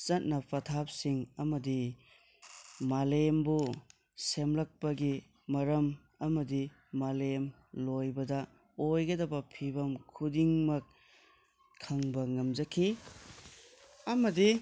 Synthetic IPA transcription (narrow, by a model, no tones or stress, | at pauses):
t͡ʃɐt̚nɐpʰɐtʰap̚siŋɐmɐdi | malembu | semlɐk̚pɐɡi | mɐɾɐm | ɐmɐdiː | alem | lojbɐdɐ | ojɡɐdɐbɐpʰibɐmkʰudiŋmɐk̚ʰ | ɐŋbɐŋɐmd͡ʒɐkʰi | ɐmɐdi